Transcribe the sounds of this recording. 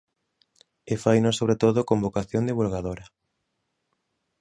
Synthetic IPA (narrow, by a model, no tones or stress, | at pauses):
efajnosoβɾet̪oðʊkombokaθjond̪iβulɣaðoɾa